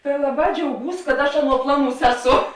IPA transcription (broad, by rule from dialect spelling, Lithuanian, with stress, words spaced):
tɐ ˈlˠɑːˌbɑː d͡ʒʲɛʊˈɡuːs kɐt ˈɐʃ ˈɑːˌnuɔ ˈplˠɑːˌnuːs ˈæːˌsoː